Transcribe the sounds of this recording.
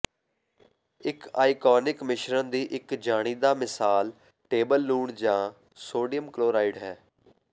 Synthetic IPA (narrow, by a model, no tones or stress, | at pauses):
ɪkaːikɔːnɪkmɪʃɾənd̪iːʔɪkd͡ʒaːɽ̃iːd̪aːmɪsaːl | ʈeːbəlːuːɳd͡ʒãː | soːɖijəmkloːɾaːɪɖɦɛː